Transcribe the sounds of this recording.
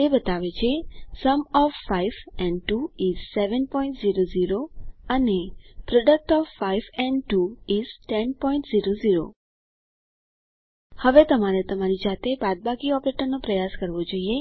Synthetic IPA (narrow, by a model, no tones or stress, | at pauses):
t̪ebət̪aʋet͡ʃʰesəmɔfːaiʋɛ̃ɳɖʈuid͡ʒsɛʋənpɔĩɳʈziɾoziɾoənepɾɔɖək̚ʈɔfːaiʋɛ̃ɳɖʈuizʈɛnpɔĩɳʈziɾoziɾo̰ | həʋet̪əmaɾet̪əmaɾid͡ʒat̪ebad̪̚baɡiɔpɾeʈəɾnopɾəjaskəɾʋod͡ʒoie